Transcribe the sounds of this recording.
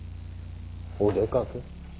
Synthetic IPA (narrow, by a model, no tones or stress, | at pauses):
odekake